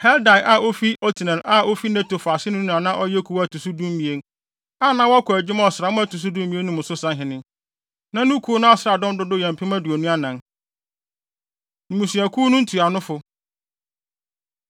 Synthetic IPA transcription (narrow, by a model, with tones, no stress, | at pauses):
hɛ˦lda˨ʔa˨ʔo˦fi˦ʔɔ˦tʰi˨nɛ̃˨lʔa˦o˦fi˦ne˦to˨fa˨sɪ˦nʊ̃˦˨ã˨nã˦ʔɔ˦jɛ˦kʰu˨˦wæ˨tʰu˨su˦dũ˦m˦mĩ˨e˦n | a˦nã˦wɔ˦kʰɔ˨æ˨d͡ʑɪ˦ma˦ɔ˨sɾa˨mʊ̃˦æ˦tʰu˨s̬u˦dũ˦m˦mĩ˦e˦nʊ̃˦mʊ̃˨sʊ˦sã˦ɦɪ̃˨nɪ̃˦ | nã˦nũ˦kʰu˦nʊ̃˦a˨sɾa˨dɔ̃˦m˦dʊ˦dʊ˦jɛ̃˨m˨pʰɪ˦mæ̃˦du˨o˨nũ˦a˦nã˨n | nũ˨mũ˨si˨æ˨kʰuː˦nʊ̃˦n̩˦tʰu˨a˨nʊ̃˦fʊ˦